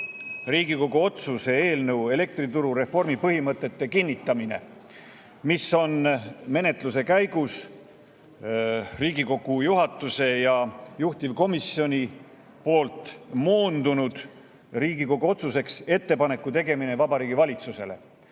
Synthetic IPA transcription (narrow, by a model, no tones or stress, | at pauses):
riːɡ̥iko̞ɡ̥uo̞t̪suse̞e̞ːlnɤwe̞le̞k̚t̪rit̪uɾuɾe̞fo̞rmipɤɦimɤt̪ːˑe̞t̪ːe̞kinʲːit̪ːˑɑmine̞̰ | miso̞nme̞ne̞t̪luse̞kæjɡ̥us | riːɡiko̞ɡ̥ujuɦɑt̪ːˑuse̞jɑjuht̪ivko̞misjo̞nʲi | po̞ːlt̪ˑmo̞ːnd̪unud̪̥ | riːɡ̥iko̞ɡ̥uo̞t̪suse̞kse̞t̪ːe̞pɑne̞kːˑut̪e̞ɡe̞minevɑbɑɾiːɡivɑlʲit̪suse̞̰le̞̰